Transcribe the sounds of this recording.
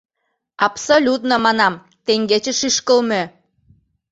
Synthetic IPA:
ɑpsolʲut̪nomɑnɑm | t̪eŋɡet͡ɕĕʃyʃkə̆lme

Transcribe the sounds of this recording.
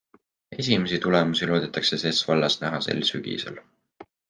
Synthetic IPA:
e̞s̬ʲime̞sit̪ulemusilo̞ːd̪et̪ːˑɑkse̞se̞svɑlːɑsnæɦɑse̞̰lːsyɡ̥ḭsḛl

